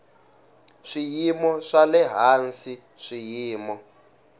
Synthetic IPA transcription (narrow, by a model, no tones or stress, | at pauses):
ʂijimɔʂalɛɦansi | ʂijiːmɔ